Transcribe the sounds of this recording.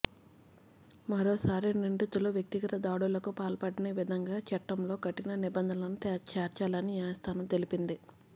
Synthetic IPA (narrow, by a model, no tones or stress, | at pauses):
mɐɾoːsaːɾiniɳʈit̪uloːʋjɐk̚t̪iɡɐt̪ɐd̪aːɽulɐkupaːlɐpɐɽineːʋid̪ʱɐŋɡaːt͡ʃɐʈːɐmlo̞ːkɐʈːinɐnibɐnd̪ʱɐnɐnut̪ɛt͡ʃɛːɾt͡ʃaːlɐniaːɐst̪ʰaːnɐmt̪e̞lipind̪i